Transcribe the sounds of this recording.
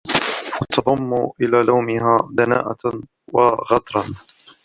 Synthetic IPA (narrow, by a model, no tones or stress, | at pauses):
wat̪ɑðˤɑmːuʔɪlaːlawmɪɦaːd̪ana̰ːʔa | wɑɣɑt̪ˤɾˤɑn